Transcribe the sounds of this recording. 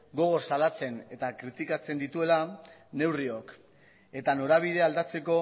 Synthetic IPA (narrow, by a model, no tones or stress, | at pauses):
ɡo̞ɣ̞o̞salat͡se̞ne̞t̪akɾit̪ikat͡se̞nd̪it̪ue̞lane̞wrio̞k | e̞t̪ano̞ɾaβ̞iðe̞ald̪at͡se̞ko̞